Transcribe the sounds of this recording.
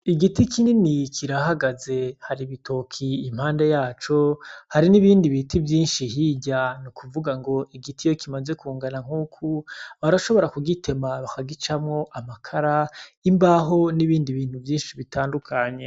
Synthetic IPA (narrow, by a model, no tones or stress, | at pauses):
iɡitikininikʰiɾahaɡaze̞haɾiβitʰo̞kʰiim̥haːnde̞jaːt͡ʃo̞haɾiniβiːndiβitivjiːnʃihiːɟanukʰuvuɡaŋɡo̞iɡitijo̞kimaze̞kuːŋɡanaŋ̥uːkʰuβaɾaʃo̞βo̞ɾakuɡitʰe̞maβakaɡit͡ʃamŋo̞ʔamakʰaɾaimbaɦo̞niβiːndiβiːn̥huvjiːnʃiβitʰaːndukʰaɲe̞